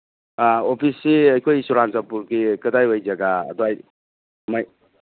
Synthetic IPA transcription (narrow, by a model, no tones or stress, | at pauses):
opʰisːiɐjkʰojsuɾansapuɾɡikɯdajwajd͡ʒaɡa̰dwaj | maj